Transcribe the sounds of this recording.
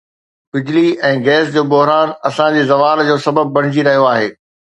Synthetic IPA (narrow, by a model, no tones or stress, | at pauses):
bɪd͡ʑɪliɛ̃ːɡɛːs̬d͡ʑoːbʊɦɾaːnɐsãd͡ʑiːzɐʋaːld͡ʑoːsɐbəb̚ːɐɽ̤̃ɪd͡ʑiɾɐɦijoaːɦeː